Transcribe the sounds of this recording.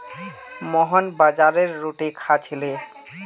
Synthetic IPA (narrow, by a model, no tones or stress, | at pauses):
mɔɦɔnbad͡ʑaɾeɾːoʈikʰat͡ɕʰile